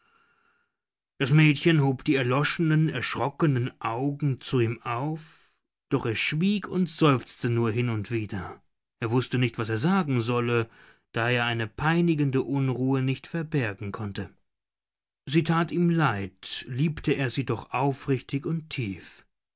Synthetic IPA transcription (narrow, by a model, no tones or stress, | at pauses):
d̥asmɛːtçənhoːpd̥iːɛɐlɔʃənənɛɐʃʁ̥ɔkənənʔaʊɡŋ̩t͡suiːmaʊf | d̥ɔχeːɐʃv̥iːkʊntz̥ɔʏft͡stənuːɐɦɪnʊntv̥iːdɐ | ʔeːɐvʊstənɪçtv̥aseːɐzaːɡŋ̩zɔlə | d̥aːeːɐʔaɪnəpʰaɪnɪɡəndəʔʊnʁuːənɪçtfɛɐbɛɐɡŋ̩kʰɔntə | ziːtʰaːtiːmlaɪtliːptəeːɐziːdɔχʔaʊfʁɪçtɪçʊntʰiːf